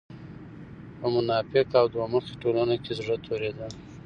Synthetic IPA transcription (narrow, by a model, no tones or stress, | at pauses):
pəmʊnɑpɪqawd̪waməxe̥ʈolanokʲezʐət̪ʰoɾed̪a